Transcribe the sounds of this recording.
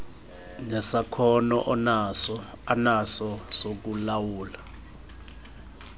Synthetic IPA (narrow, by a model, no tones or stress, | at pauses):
nɛsakʰɔnɔ̰ʔɔnasɔ | anasɔsok̬ulawuːla